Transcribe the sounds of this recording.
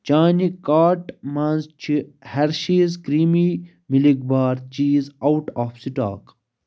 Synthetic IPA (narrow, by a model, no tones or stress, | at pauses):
t͡ʃaːnikaːʈmaːnzt͡ʃʰihɐɾʃiːzkɾiːmi | miliɡ̚baːɾt͡ʃiːzawʈaːfsiʈa̰ːk